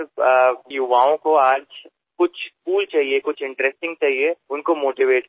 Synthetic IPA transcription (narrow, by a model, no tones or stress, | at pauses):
jʊʋaːõkoaːd͡ʒ | kʊt͡ʃʰkuːlt͡ʃaːɦiekʊt͡ʃʰɪ̃ɳʈɾɛsʈɪ̃ŋɡ̚t͡ʃaːɦieʊnkomoːʈiʋeːʈ̚